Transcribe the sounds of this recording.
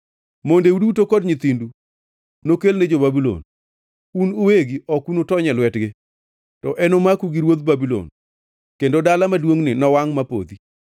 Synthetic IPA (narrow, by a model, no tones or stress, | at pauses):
mondeudutokɔdɲɪt̪indu | nokelned͡ʒobabilo̰n | unʊweɡiɔkunotɔɲɛlwɛtɡɪ | tɔʔɛnomakuɡiɾwod̪babilo̰n | kendodalamadwoŋnɪnɔwaŋmapo̰d̪i